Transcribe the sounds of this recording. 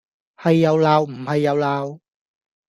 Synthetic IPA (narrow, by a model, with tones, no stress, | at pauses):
hɐ˨jːɐ˨˧wlaː˨˧wm̩˨˩hɐ˨jːɐ˨˧wlaː˨˧w